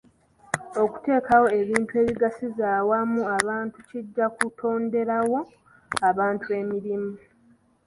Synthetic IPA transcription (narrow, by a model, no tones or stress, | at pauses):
o̞ku̥te̞ːkawo̞e̞βiːntue̞ːβiɡasizaːwamːuaβaːntuciɟːakutʰo̞ːnde̞ɾawo̞ | aβaːntue̞miɾimu